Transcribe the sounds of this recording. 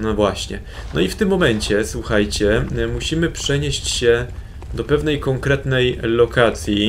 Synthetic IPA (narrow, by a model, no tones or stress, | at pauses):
nɔvwaɕɲɛ̰ | nɔift̪ɘmːɔmɛɲt͡ɕɛswuxajt͡ɕɛmuɕimɘpʂɛɲeɕt͡ɕɕɛ | d̪ɔpɛvnɛjkɔŋkɾɛt̪nɛjlɔkat̪sʲji